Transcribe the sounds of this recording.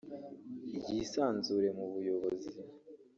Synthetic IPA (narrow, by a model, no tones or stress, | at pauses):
iɟisaːnzuɾe̞muβujo̞βo̞zi